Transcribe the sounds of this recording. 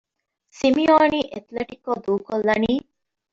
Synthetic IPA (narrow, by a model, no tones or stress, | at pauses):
simioːniːʔet̪leʈikːod̪uːkolːɐniː